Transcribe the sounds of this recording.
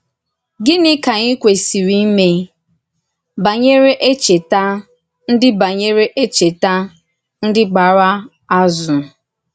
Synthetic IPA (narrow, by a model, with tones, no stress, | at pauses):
ɡɪ˦nɪ˦ka˨ɲɪ˦kʷe˨si˨ɾi˦me˦ | ba˨ɲe˦ɾe˦ʔe˦t͡ʃe˨ta˦ | n̩˦dɪ˦ba˨ɲe˦ɾe˦ʔe˦t͡ʃe˨ta˦ | n̩˦dɪ˦ɡ͡ba˨ɾa˦ | a˦zʊ˨